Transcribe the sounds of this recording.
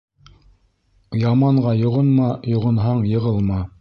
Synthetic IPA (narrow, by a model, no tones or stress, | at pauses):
jɑmɑɴɢɑjŏʁŏnmɑjŏʁɤ̆nɦɑɴjɤ̆ʁɤlˠmɑ